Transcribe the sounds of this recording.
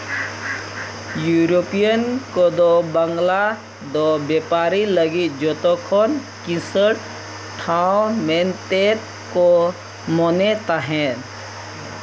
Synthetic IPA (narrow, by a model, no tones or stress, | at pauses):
juːɾopijənkod̪obəŋɡla | d̪objeːpaːɾiləɡid͡ʒoːt̪okʰon | kĩsəʈ | ʈʰãõment̪et̪ | ko | monet̪aɦɛ̃